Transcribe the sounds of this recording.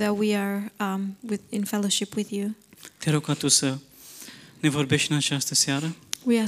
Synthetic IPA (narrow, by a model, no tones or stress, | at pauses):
ðɨt̚wiə˞ | wɪðɪ̃nfɛlˠoʃɪpwɪðjut̪eaɾukat̪usə | ne̞vorbe̞ʃt̪ɨnat͡ʃast̪əsaɾəwia